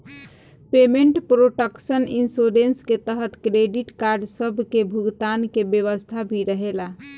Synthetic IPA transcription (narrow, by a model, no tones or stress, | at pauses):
pemeɳʈpɾoʈəksəninsoɾensket̪əɦət̪kɾeɖiʈkaɾɖsəbʱkebʱuɡt̪ankebjəʋəst̪ʰabʱiɾəɦela